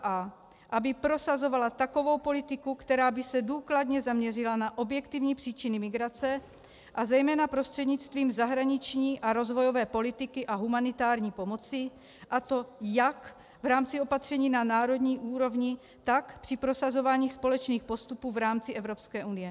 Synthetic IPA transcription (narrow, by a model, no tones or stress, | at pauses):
a | ʔabɪpɾo̞sazo̞valat̪ako̞vo̞wpo̞lɪt̪ɪkukt̪ɛɾaːbɪsɛduːklad̪ɲɛzamɲɛrɪlanaʔo̞bjɛkt̪ivɲiːpr̝̥iːt͡ʃɪnɪmɪɡɾat͡sɛ | ʔazɛjmɛːnapɾo̞st̪r̥ɛd̪ɲɪt͡st̪viːmzaɦɾaɲɪt͡ʃɲiːʔaɾo̞zvo̞jo̞vɛːpo̞lɪt̪ɪkɪʔaɦumanɪt̪aːɾɲiːpo̞mo̞t͡sɪ | ʔat̪o̞jak | vɾaːmt͡sɪo̞pat̪r̝̥ɛɲiːnanaːɾo̞d̪ɲiːʔuːɾo̞vɲɪ | t̪akpr̝̥ɪpɾo̞sazo̞vaːɲiːspo̞lɛt͡ʃniːxpo̞st̪upuːvɾaːmt͡sɪʔɛvɾo̞pskɛːʔunɪjɛ